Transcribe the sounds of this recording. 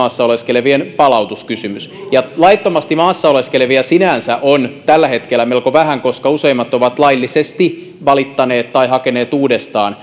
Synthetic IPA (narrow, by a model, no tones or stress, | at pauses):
ɑːsːɑoleskeleʋienpɑlɑut̪uskysymysjɑlɑit̪ːomɑst̪imɑːsːɑoleskeleʋiɑsinænsæʔont̪ælːæhe̞t̪kelːˑæmelkoʋæɦæŋkoskɑuseimːɑt̪oʋɑt̪lɑilːisest̪i | ʋɑlit̪ːɑneːt̪t̪ːɑiɦɑkeneːt̪uːdest̪ɑːn